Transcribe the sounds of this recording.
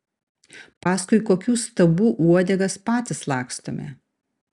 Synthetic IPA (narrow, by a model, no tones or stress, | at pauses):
pɑːskʊɪkoːkʲuːst̪ɐbuːʔuɔd̪ʲɛɡɐspɑːt̪ʲɪslˠɑːkst̪omʲḛ